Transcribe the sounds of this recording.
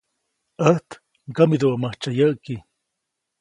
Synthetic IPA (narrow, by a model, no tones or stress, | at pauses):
əht̪ | ɡamid̪uʔamaht͡ʃajəʔki